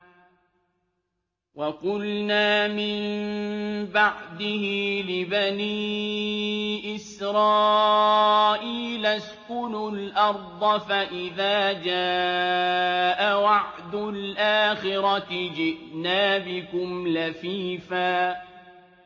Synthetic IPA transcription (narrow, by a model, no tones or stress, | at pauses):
wɑqʊlnaːmɪm | baʕd̪ɪhɪlɪbaniː | ʔɪsɾɑː | ʔiːlaskʊnʊlʔɑɾˤd̪ˤɑfaʔɪðaːd͡ʒaː | ʔawɑʕd̪ʊlʔaːxɪɾɑɪd͡ʒɪʔnaːbɪkʊmlafiːfaː